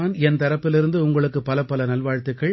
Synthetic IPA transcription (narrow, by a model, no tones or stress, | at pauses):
ɐnɛnt̪ɐɾɐpːɪlɪɾɯnd̪ɯʊŋɡɐɭɯkːɯpɐlɐpːɐlɐnɐlʋaːɻt̪ːɯkːɐɭ